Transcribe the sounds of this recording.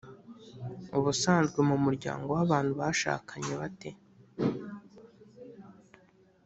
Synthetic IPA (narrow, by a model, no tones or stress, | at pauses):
uβusaːnzɡwemumuɾɟa̰ːŋɡo̞waβaːnhuβaʃa̰ːkaɲeβate̞